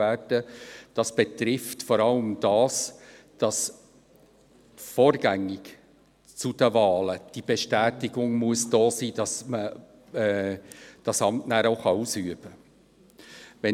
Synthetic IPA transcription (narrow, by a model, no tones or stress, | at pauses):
æːd̥əd̥ɑsb̥et̪ɾɪftfɔɾɑləmd̥ɑːs | d̥ɑs | fɔːɾɡ̥æŋːɪk | t͡sud̥əvɑːləd̥ibeʃtæːtɪɡʊŋmuəsd̥oːsiːd̥ɑsmə | ɛːd̥ɑsɑmtnæːɾoʊχɑusyəb̥ə | ʋɛ